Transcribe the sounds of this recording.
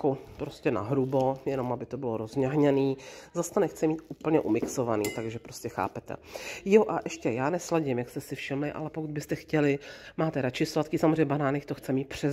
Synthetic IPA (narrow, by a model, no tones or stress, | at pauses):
kopɾo̞scɛna̰ɦɾubojɛno̞mʔabɪt̪o̞bɪlo̞ɾo̞zɲaɦɲɛniːzast̪anɛxt͡sɛmiːt̪uːpl̩ɲɛʔumɪkso̞vanḭːt̪aɡʒɛpɾo̞scɛxa̰ːpɛt̪ɛ̰joʔaʔɛʃcɛjaːnɛslaɟɪmjakst̪ɛsɪfʃɪmlɪʔa̰lɛpokud̪bɪst̪ɛxcɛlɪmaːt̪ɛɾat͡ʃɪslat̪̚kiːsamzreɛɲɛbanaːnɛxt̪o̞xt͡sɛmiːt̪̚pr̝̥ɛz